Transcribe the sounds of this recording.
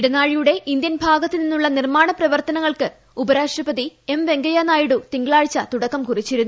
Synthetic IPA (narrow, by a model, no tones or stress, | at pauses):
iɽɐnaːɻijuɽe̞ʔind̪jɐnbʱaːɡɐt̪ːininːuɭːɐnirmaːɳɐprɐʋɐrt̪ɐnɐŋːɐɭkɨ | ubɐɾaːʂʈrɐpɐðie̞mʋe̞ŋɡɐjaːnaːjiɽut̪iŋɡɐɭaːɻt͡ɕːɐt̪uɽɐkːɐmkurit͡ɕːiɾunːu